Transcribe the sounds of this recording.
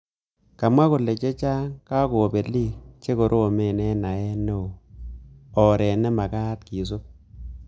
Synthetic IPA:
ka˨mwa˦kʊ˨le˨t͡ʃe˦t͡ʃa˦ŋka˦ko˨o˨be˨li˦t͡ʃe˦ko˨ɾʔo˦o˨me˦˨nɛ˦na˨ɛ˦nːe˦o˨ | ɔ˨ɾɛ˨nɛ˦ma˨ka˦tki˨s̬o˦

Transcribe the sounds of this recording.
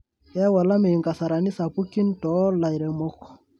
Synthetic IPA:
a˦wa˨la˦me˨i˨ŋɡa˨sa˨ɾa˨ni˦sa˨pu˦ki˦ntɔ˦la˨i˨ɾɛ˨mɔ˦kɔ̥˨

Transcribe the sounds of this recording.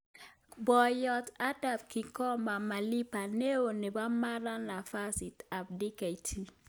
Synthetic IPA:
bɔ˨jɔ˨ta˦da˨p̚ki˨kɔ˦ma˨ma˨li˦pa˨ne˦o˨ne˨ba˦ma˦ɾa˦na˨fa˦si˨ta˨b̚di˦ka˨i˨tʰi˨

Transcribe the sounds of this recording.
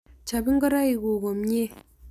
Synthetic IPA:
t͡ʃa˨bi˦ŋ˦ɡə˦ɾa˦i˨ɣo˨ɣo˨m˦ɲe˦

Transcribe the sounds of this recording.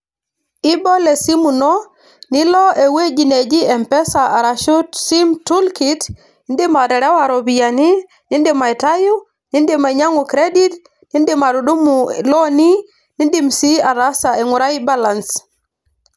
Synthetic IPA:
i˦bɔ˦le˨si˦mu˨nɔ˦ | nɪ˦lɔ˦e˨we˦d͡ʒi˨ne˨d͡ʒi˦ɛ˨mpɛ˦sa˨a˨ɾa˨ʃo˦tsi˦mtu˦lki˨t | ni˦ndɪ˦ma˨dɛ˨ɾɛ˦wa˨ɾɔ˨bi˨ja˨ni˦ | nɪ˦ndɪ˦ma˨ɛ˨ta˦jʊ˦ | nɪ˦ndɪ˦ma˨ɲa˦ŋu˨kɾe˦di˦t | ni˦ndɪ˦ma˨ɾʊ˨du˦mu˨lɔ˦ni˦ | ni˦ndi˦msi˦a˨ɾa˦sa˨e˨ŋʊ˨ɾa˦i˦ba˦la˨ns

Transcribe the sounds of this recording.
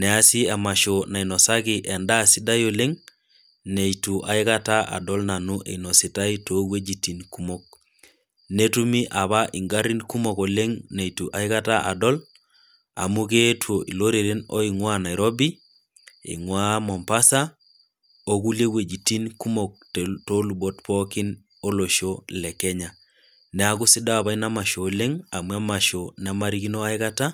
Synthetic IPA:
nɛ˨a˦si˦a˨ma˨ʃo˨na˨i˨no˨sa˦ki˨ʔe˨nda˦si˦da˦jo˨le˦ŋ | ne˨jtu˨ʔa˨i˦ka˦ta˦ʔa̰˨dɔ˦lna˨nu˦ʔḛ˨ino˨si˨ta˦ito˦ɡwe˦d͡ʒi˨ti˨nku˦mo˦k̚ | ne˦tu˦mi˦ʔa˨βa˦ʔi˨ŋɡa˦ɾi˦nku˦mo˨ko˨le˦ŋne˨itu˨ʔa˨i˦ka˦ta˦ʔa̰˨dɔ˦l | a̰˨mu˦ke˦two˨ʔḭ˨lo˦ɾe˨ɾe˦nɔ̰˦i˨ŋwa˦na˨jɾɔ˦bi˦ | ḭ˨ŋwa˦mɔ˨mpa˦sa˦ | o˦ku˦lje˦we˨d͡ʒi˨ti˦nku˦mo˨k̚tto˦lu˨bɔ˦tpɔki˦n | o˦lo˨ʃolɛ˨kɛ˦ɲa˨ | nɛ˨a˦ku˦si˦da˦a˨βa˦ina˦ma˨ʃo˨le˦ŋa˨mwa˦ma˨ʃo˨n˨a˦ma˦ɾi˦ki˦no˦a˦ika˦ta˦

